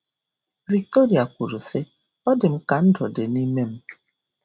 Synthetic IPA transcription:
vi˨k̚to˦ɾi˨a˨kʷu˨ɾu˨sɪ˦ | ɔ˦dɪ˨m̩˦ka˨n̩˦dɔ˨dɪ˨ni˦me˦m̩˦˨

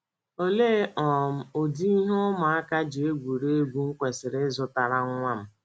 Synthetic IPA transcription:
o˦le˦ʔɔ˨m̩˦o˨di˦i˦ɦo˦ma˨a˦ka˦d͡ʒi˨e˦ɡʷu˨ɾe˦e˦ɡʷu˨ŋ̩˦kʷe˨sɪ˨ɾɪ˦zʊ˦ta˨ɾa˦ŋ̩ʷ˦a˦m̩˨

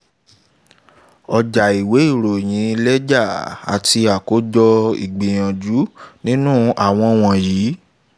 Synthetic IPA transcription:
ɔ˧d͡ʒa˨i˨we˨˦i˦˨ɾo˨j̃ĩ˨˦˧lɛ˦d͡ʒa˦˨a̰˨ti˧a˨ko˨˦d͡ʒɔ˧ḭ˨ɡ͡be˨j̃ã˨d͡ʒu˨˦nĩ˦nũ˦a˦˨w̃ɔ̃˧w̃ɔ̃˧jiː˨˦

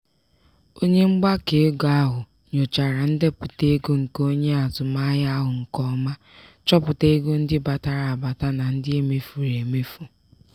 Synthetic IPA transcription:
o˦ɲe˦ŋ͡m̩˦ɡ͡ba˦ke˨˦ɡa˦ɦʊ˨ | ɲo˨t͡ʃa˨ɾa˨n̩˦de˦pʊ˨te˦e˦ɡo˦ŋ̩˨ko˦ɲe˦a˨zʊ˨ma˦ja˦ɦʊ˨ŋ̩˨kɔ˦ma˦ | t͡ʃɔ˦pʊ˨te˦e˦ɡo˦n̩˦dɪ˦ba˨ta˨ɾa˨a˨ba˨ta˦na˨n̩˦dɪ˦e˦me˨fu˨ɾe˨me˦fu˨

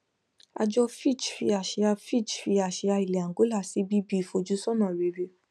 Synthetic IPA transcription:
a̰˧d͡ʒɔ˧fi˦˨t͡ʃfi˧a˨ʃi˧a˧fi˦˨t͡ʃfi˧a˨ʃe˧a˧i˨le˨a˨ŋ˨ɡo˨˦la˦˨si˨˦bi˦bi˦˨fo˧d͡ʒu˦sɔ˦nã˦˨ɾe˨˧˨ɾe˧

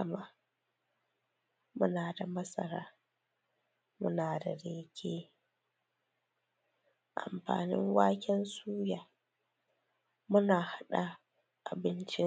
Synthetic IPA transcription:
ɐ˨ma˦ | mʊ˦naː˨da˨mɐ˦sɐ̰˨ɾaː˦ | mʊ̰˦naː˨da˨ɽeː˦kʲʰeː˦ | ʔa̰˨mɸa̰ː˨nɪ̰˦ŋwaː˦kʲɛ˦nsuː˦jaː˨ | mʊ˦naː˨ha˦ɗa˨ | ʔa˨bɪ˦nt͡ʃɪ˦

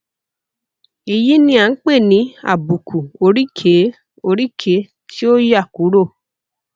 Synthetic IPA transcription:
i˧ji˦nĩ˧a˨n̩˦k͡pe˦˨nĩ˨˦a̰˦˨bu˨kʰu˨o˧ɾi˦kʰe˨˦ | o˧ɾi˦kʰe˨˦ | ti˦o˦ja˦˨ku˨˦ɾo˦˨

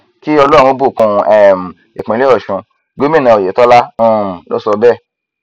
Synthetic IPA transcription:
ki˦ɔ˧lɔ˦ɾ̃ũ˧˦o˦bu˦˨kũ˧ɛ˨m˨ | e˨k͡pẽ˨˦le˦ɔ˦˨ʃũ˧ | ɡo˨˦mĩ˦˨nã˧˨o˨je˨tɔ˦la˦ũ˦˨lo̰˦sɔ˧bɛ˦˨

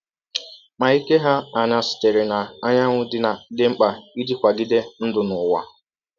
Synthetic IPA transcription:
ma˨i˦ke˦ɦa˦a˨na˨sɪ̥˨te˨ɾɪ˨na˨a˦ɲa˦ŋʷʊ˦dɪ˦na˨dɪ˦ŋ͡m̩˦k͡pa˨i˦di˦kʷa˨ɡɪ˦de˦n̩˦dʊ˨nʊ˨wa̰˨

